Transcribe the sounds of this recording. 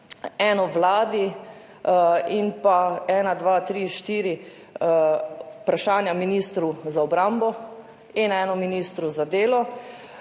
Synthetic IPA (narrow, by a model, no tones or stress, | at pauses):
ɛnɔʋlaːd̪i | inpaɛːnad̪ʋaːt̪ɾiʃt̪iːɾi | pɾaʃaːnjaminiːst̪ɾuzaɔbɾambɔ | inɛːnɔminiːst̪ɾuzad̪eːlɔ